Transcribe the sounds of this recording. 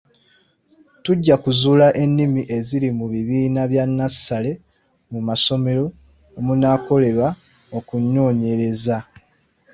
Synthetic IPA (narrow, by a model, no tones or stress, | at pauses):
tuɟːakuzuːlaʔe̞nːimiʔe̞zilimuβiβiːnaβjanːasale̞ | mumaso̞me̞ɾo̞ː | munaːko̞le̞βa | o̞kuɲːo̞ːɲe̞ɾe̞za